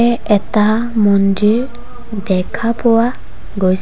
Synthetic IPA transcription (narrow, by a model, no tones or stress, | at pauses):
ɛɛtamɔndiɹ | dɛkʰapɔwa | ɡojs